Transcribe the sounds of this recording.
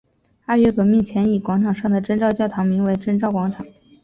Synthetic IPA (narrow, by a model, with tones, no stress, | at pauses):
a˥˧ɥɛ˥˩kɤ˨˩mi˥˩nt͡ɕʰjɛ˧˥ni˨˩kwɑ˧˥ŋʈ͡ʂʰɑ˨˩ŋʂɑ˥˩ŋd̪ə˩ʈ͡ʂə˥nʈ͡ʂɑ˥˧ʊt͡ɕjɑ˥˩ʊt̪ʰɑ˧˥ŋmi˧˥ŋwe˧˥ɪʈ͡ʂə˥˧nʈ͡ʂɑ˥˩ʊkwɑ˧˥ŋʈ͡ʂʰɑ˨˩˦ŋ